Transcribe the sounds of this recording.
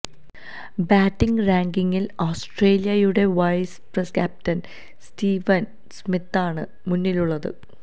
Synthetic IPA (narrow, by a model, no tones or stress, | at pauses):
baːtːiŋɡraːŋɡiŋːiloːsʈreːlijɐjuɽe̞ʋɐjspreskʲaːp̚tɐn | stiːʋɐn | smit̪ːaːɳɨ | munːiluɭːɐðɨ̰